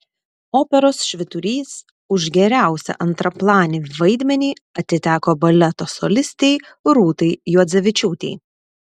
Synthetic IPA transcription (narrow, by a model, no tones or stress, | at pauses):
oːpʲɛɾoːsʃʲʋʲɪt̪ʊɾʲiːs | ʊʒɡʲɛɾʲæˑʊsʲɛ̰ʔɐnt̪ɾɐplˠɑːnʲɪʋɐɪd̪ʲmʲɛnʲiːɐt̪ʲɪt̪ʲæːkoːbɐlʲɛt̪oːso̰lʲɪsʲt̪ʲeɪ | ɾuːt̪ɐɪjuɔd̪zʲɛʋʲɪt͡ʃʲuːt̪ʲḛː